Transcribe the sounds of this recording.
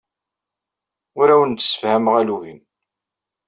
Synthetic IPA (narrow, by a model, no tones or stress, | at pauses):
ʊɾæwənt̪ːsə̥fhæmʁæluhin